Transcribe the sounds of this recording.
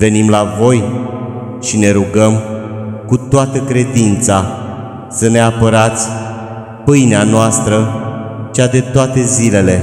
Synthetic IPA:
ve̞nimlavo̞j | ʃine̞ɾuɡəm | kut̪oat̪əkɾe̞d̪int̪sa | səne̞apəɾat̪sʲ | pɨjneanoast̪ɾət͡ʃad̪e̞t̪oat̪e̞zile̞le̞

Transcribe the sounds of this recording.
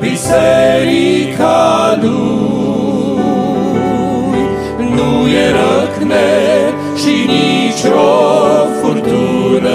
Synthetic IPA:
bisɛɾikʰalu | nujeɾəkne | ʃinit͡ʃɾɔfut̪uɾ

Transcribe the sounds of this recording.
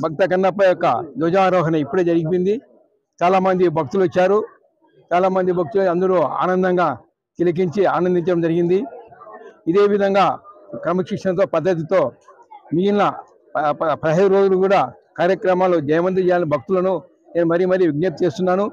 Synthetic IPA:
bʱɐk̚t̪ɐk̬ɐnːɐpːɐjɔkːɐd̪ɔːd͡ʒɐaːɾɔːɦɐnɐipːuɽeːd͡ʒɐɾiɡip̬ind̪i | t͡ʃaːlaːmɐnd̪ibʱɐk̚t̪uluʋɐt͡ʃːaːɾu | t͡ʃaːlaːmɐnd̪ibʱɐk̚t̪uloɐnd̪ɐɽuːa̰ːnɐnd̪ɐŋɡaː | t̪ilɐk̬iɲt͡ʃiaːnɐnd̪iɲt͡ʃɐɽɐmd͡ʒɐɾiɡind̪i | id̪e̞ːʋid̪ʱɐŋɡaːkɾɐmɐkʂikʂɐnɐt̪̬o̞ːpɐd̪ːɐt̪̬it̪o̞ː | mijinːɐ | pɐɾɐɦɐjɾo̞ːd͡ʒulukuːɽaː | kaːɾjɐkɾɐmaːloːd͡ʒ̪ɐjɐʋɐnt̪it͡ʃɛjaːlnibʱɐk̚t̪ulɐnu | neːnumɐɾijmɐɾijuʋiɡ̚nɐt̪̚t͡ʃe̞ːst̪unːaːnu

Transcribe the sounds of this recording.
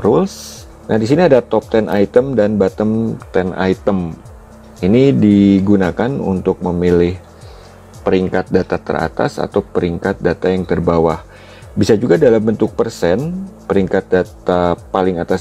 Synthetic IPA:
ɾuls | nʔahdis̬iniadat̪ɔp̚t̪ɛnʔajt̪əmdanbat̪əmt̪ɛna̰it̪əm | inidiɡunakanṵnt̪ʊk̚məmilɪh | pəɾiŋkat̪̚dat̪at̪ə̰ra̰t̪a̰sa̰t̪awpəɾiŋkat̪̚dat̪ajaŋt̪ərbawah | bisad͡ʒuɡadalambənt̪ʊk̚pərsɛnpəɾiŋkat̪̚dat̪apalɪŋat̪as

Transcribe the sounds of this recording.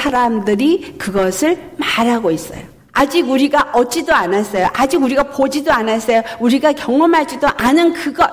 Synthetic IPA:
aɾamdɯɾikɯɡʌsʰɯɭ | maɾaɡois͈ʌ̰jo | ad͡ʑiɡuɾiɡaʔʌt͡ɕ͈idoanas͈ʌjoʔad͡ʑiɡuɾiɡapod͡ʑidoanas͈ʌjouɾiɡakjʌŋʌmɦat͡ɕ͈idoʔanɯnkɯɡʌ

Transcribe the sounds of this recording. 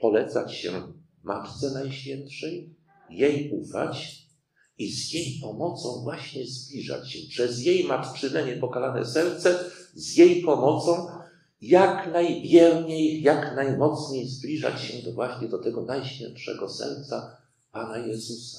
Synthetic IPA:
pɔlɛt̪sat͡ɕɕɛ̰ | mat̪t̪sɛnajɕfʲjɛntʂɛjː | ejufa̰t͡ɕ | izjejpɔmɔt̪sɔ̃w̃vwaɕɲɛzblʲiʐa̰t͡ɕɕɛpʂɛzjejmat̪t͡ʂɘnɛɲɛpɔkalanɛ̰sɛɾt̪sɛzjejpɔmɔt̪sɔ̃w̃ | jaknajbʲjɛɾɲejːaknajmɔt̪sɲejzblʲiʐa̰t͡ɕɕɛd̪ɔvwaɕɲɛd̪ɔt̪ɛɡɔnajɕfʲjɛ̰ntʂɛ̰ɡɔsɛ̰ɾt̪sa | panajɛzusḁ

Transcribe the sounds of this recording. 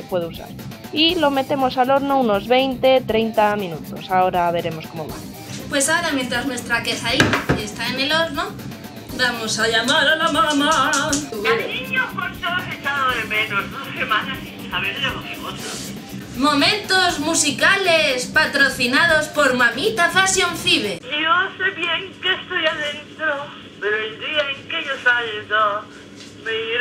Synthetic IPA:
epwe̞ðusa̰ɾ | ilo̞me̞t̪e̞mo̞salo̞ɾnouno̞zβe̞jnt̪e̞t̪ɾejnt̪amĩnut̪o̞sao̞ɾaβe̞ɾe̞mo̞skomoβa̰ | pwe̞saoɾamjent̪ɾaznwe̞st̪ɾake̞saɾinaest̪aene̞lo̞ɾno | bamosaʎamaɾalamama | anniɲokwant̪oaset͡ʃaðoðemenozðosemãnasi | aβeɾðeɣoβimot̪o | mõ̞mẽnt̪ozmusikalespat̪ɾoθinað̞ospoɾmamit̪afasjoɱfiβeinoseβjeŋkest̪ojaðent̪ɾo | peɾoeld̪iaeŋkeʝosaʎedo | meiɾ

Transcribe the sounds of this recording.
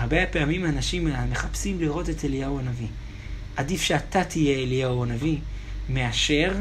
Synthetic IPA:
aʁbepeamimanaʃimmeχapsimliʁo̞te̞telijawanavi | ʔadifʃeatatʰije̞ːliauanavi | me̞aʃe̞ʁ

